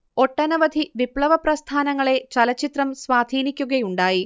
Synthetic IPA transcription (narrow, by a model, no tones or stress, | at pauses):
o̞ʈːɐnɐʋɐd̪ʱiʋipɭɐʋɐprɐst̪ʰaːnɐŋːɐɭe̞t͡ɕɐlɐt͡ɕːit̪rɐmsʋaːd̪ʱiːnikʲːuɣɐjuɳɖaːji